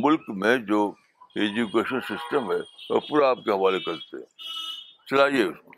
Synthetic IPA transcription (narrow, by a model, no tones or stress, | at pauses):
mʊlkmẽd͡ʒoː | eːd͡ʒukeːʃənsɪsʈəmɦɛo̰pʊɾaːp̚keɦɐʋaːlekɐɾt̪ḛɦɛ̰̃ | t͡ʃɐlaːieʊsko